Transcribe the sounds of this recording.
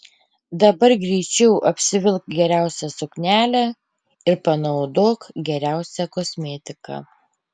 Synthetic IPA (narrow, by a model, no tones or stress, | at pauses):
d̪ɐbɐɾɡɾʲɛɪt͡ʃʲɛʊʔɐpʲsʲɪʋʲɪlˠkɡʲɛɾʲæˑʊsʲɛsʊknʲæːlʲæː | ɪɾpɐnɐʊd̪oːkɡʲɛɾʲæˑʊsʲɛkɔsʲmʲɛːt̪ʲɪkɑ̰